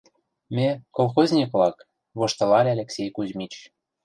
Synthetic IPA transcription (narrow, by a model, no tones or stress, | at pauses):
mʲekolxozʲnʲikβlɑk | βoʃt̪ɤ̆lɑlʲeɑlʲeksʲejkuzʲmit͡ɕ